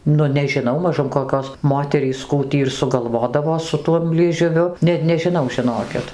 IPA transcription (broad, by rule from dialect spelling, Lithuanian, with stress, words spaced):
ˈnʊ nʲɛʒʲɪˈnɐʊ mɐˈʒʊm koːˈkʲoːs ˈmoːtʲɛrʲiːs ˈkuː tʲiː ɪr sʊˈɡɐlˠʋoːdɐʋoː sʊ ˈtuɔm lʲiɛʒʊˈʋʲʊ nʲɛt nʲɛʒʲɪˈnɐʊ ʒʲɪˈnoːkʲɪt